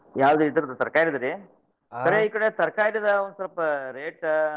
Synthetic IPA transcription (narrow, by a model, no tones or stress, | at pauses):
jaːʋd̪uit̪iɾɐd̪ut̪ɐɾkaːjɾid̪ɐɾi | sɐɾeiːkɐɽet̪ɐɾkaːjiɽid̪ɐond̪usɐɾɐpɐɾeːʈ